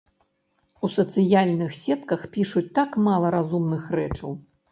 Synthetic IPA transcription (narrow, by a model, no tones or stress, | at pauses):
usɐt̪sɨjalʲnɨxsʲɛt̪kɐxpʲiʂut͡sʲt̪akmalˠɐɾazumnɨxrɛt͡ʂɐw